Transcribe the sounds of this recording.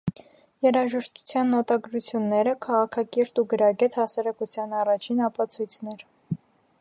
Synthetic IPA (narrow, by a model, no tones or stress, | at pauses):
jɛɾɑʒəʃt̪u̥t͡sʰjɑnːɔt̪ɑɡɾut͡sʰjunːɛɾəkʰɑʁɑkʰɑkiɾt̪uɡəɾɑɡɛt̪hɑsɑɾɑkut͡sʰjɑnɑrɑt͡ʃʰinɑpɑt͡sʰujt͡sʰnɛɾ